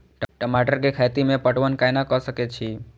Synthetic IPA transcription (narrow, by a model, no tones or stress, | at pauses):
ʈʈəmaʈəɾkekʰajt̪imẽpəʈʋənkajnakəʃəket͡ʃʰi